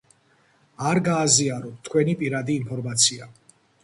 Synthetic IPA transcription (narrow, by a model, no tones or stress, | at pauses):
aɾɡaːziaɾɔt̪ʰkʰwɛnipʼiɾad̪iːmpʰɔɾmat̪sʰia